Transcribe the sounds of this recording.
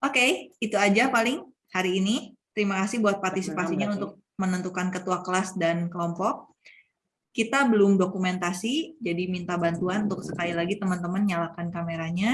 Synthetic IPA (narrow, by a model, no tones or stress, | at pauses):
ʔokeit̪uad͡ʒapalɪŋ | haɾiːnit̪əɾimakasɪhbuat̪̚part̪isipasiɲaunt̪ʊk̚ | mənənt̪ukankət̪uakəlasdankəlɔmpɔk̚ː | it̪abəlʊmdokument̪asid͡ʒadimint̪abant̪uanunt̪ʊksə̥kalilaɡit̪əmant̪əmanɲalakankameɾaɲa